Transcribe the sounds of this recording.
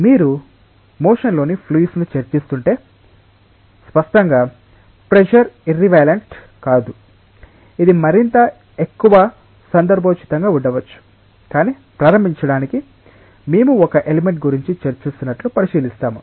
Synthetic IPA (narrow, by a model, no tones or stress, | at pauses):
miːɾu | moːʂɐnlo̞ːnipʰliːsnut͡ʃɐɾt͡ʃist̪uɳʈe̞ː | spɐʂʈɐŋɡaː | pɾeʃɐɾiɾːiʋɐjlɐɳʈ | kaːd̪u | id̪imɐɾint̪ɐ | ekːuʋɐ | sɐnd̪ɐɾbʱɐt͡ʃi̥t̪ɐŋɡaːuɳɖɐʋɐt͡ʃːu̥ | kaːniː | pɾaːɾɐmbʱiɲt͡ʃɐɽaːniki | meːmuɔkɐʔeleme̞ɳʈ̚ɡuɾiɲt͡ʃit͡ʃɐɾt͡ʃist̪unːɐʈlupɐɾiʃiːlist̪aːmu